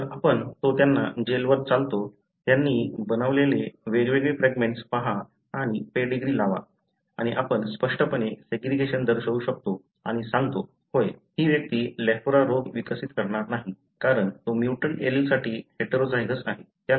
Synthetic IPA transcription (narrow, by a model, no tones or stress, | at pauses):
əɾapəɳt̪ot̪janːa̰d͡ʑelʋəɾt͡salt̪o | t̪janːiːbənaʋleleʋeɾiʋeɡɭefɾɛɡmẽɳʈspaɦa | aɽ̃ipeɖiɡɾiːlaʋa̰ | aɽ̃iʔapəɳspəʂʈəpəɳeseɡɾiɡeɕənd̪əɾɕəʋuːɕək̚t̪o | aɽ̃isãŋɡt̪o | ɦojɦiːʋjək̚t̪iːlɛfɾaɾoɡʋikəsit̪kəɾɳaɾnaɦi | kaɾəɳt̪omjuʈəneɾilsaʈiːheʈɾod͡zajɡəsaɦe | t̪ja